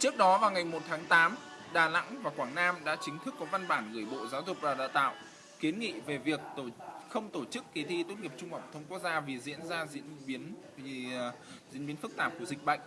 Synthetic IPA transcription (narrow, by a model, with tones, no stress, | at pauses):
t͡ɕɨ˦˥ək̚ɗɔ˨˦vaː˨˩wŋa˨˩jmo˨˩t̚t̪ʰaː˨˦ŋt̪aː˨˦m | ɗaː˨˩la̰˧˥ŋvaː˨˩kwaː˧˩ŋnaː˧mɗa̰ː˧˥t͡ɕï˨˦ŋ̟t̪ʰɨ˦˥kːɔ˨˦va˧nɓaː˧˩nɣɨ˧˩əjɓo̰˧˨zaː˨˦wzʊ˨˩k͡p̚vaː˨˩ɗa̰ː˧˨wt̪a̰ː˧˨w | ki˨˦nŋḭ˧˨ve˨˩vi˨˩ək̚xə˧wŋ͡mt̪o˧˩t͡ɕɨ˦˥kːi˨˦t̪ʰi˧t̪t̚ŋi˨˩əp̚t͡ɕʊ˧ŋ͡mə̰˧˩wŋ͡mt̪ʰə˧wŋ͡mku˦˥ək̚zaː˧vi˨˩zḭ˧˥ənzaː˧zḭ˧˥əi˨˦ən | zḭ˧˥nɓi˨˦ənfɨ˦˥k̚t̪aː˧˩p̚ku˧˩zï˨˩k̟̚ɓə̰˧˨jŋ̟